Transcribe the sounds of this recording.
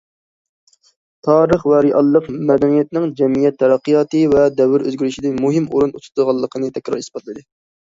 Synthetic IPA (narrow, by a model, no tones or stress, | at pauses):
t̪ʰɑːɾəχwɛɾiʔɑlˠːɨqmɛd̪ɛnijɛt̪̚nɪŋd͡ʒɛmijɛt̪ʰːɛɾɑqːijɑːt̪ɨvɛd̪ɛwɪɾø̰zɡʲyɾyʃid̪ɪnmuɦɪmuɾunut̪ʰʊ̥t̪ʰʁɑlˠːəqʰənɨt̪ʰɛkʲɾɑɾi̥sbɑt̪lˠɨd̪ɨ